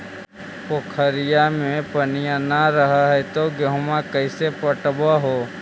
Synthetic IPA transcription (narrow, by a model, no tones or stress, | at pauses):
pokʰəɾɪjamẽpənijanaɾəɦaɦɛt̪oɡeɦʊmãkəɪsepəʈbaɦo